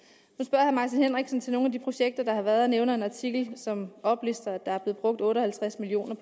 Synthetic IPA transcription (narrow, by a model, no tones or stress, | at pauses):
hunsb̥ɶɐ̰hæmɑ̈t͡sʰinhenʁeɡ̥sn̩t͡sʰe̝no̝ːnæd̥ipʰʁo̝ɕeɡ̥̚d̥ɐd̥ɑ̈hɑ̈ʋæːɐðˠɒneʊnəe̝nɑ̈t͡sʰiɡ̥l̩sɒ̽mɒ̽b̥lisd̥ɐæd̥ɑ̈æɐb̥le̝ð̩ˠb̥ʁɔ̽ɡ̥̚d̥ɔ̽ːɾɒ̽hælt͡sʰʁæsmilio̝̰ːnɐpʰ